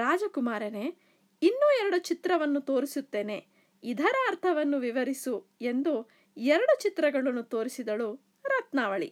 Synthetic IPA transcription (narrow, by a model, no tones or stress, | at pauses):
ɾaːd͡ʒɐkumaːɾɐne̞ | inːuɛɾɐɽut͡ʃit̪ɾɐʋɐnːut̪o̞ːɾisut̪ːe̞ːne̞ | id̪ʱɐɾaːɾt̪ʰɐʋɐnːuʋiʋɐɾisue̞nd̪u | ɛɾɐɽut͡ʃit̪ɾɐɡɐɭɐnːut̪o̞ːɾisid̪ɐɭu | ɾɐt̪naːʋɐɭḭ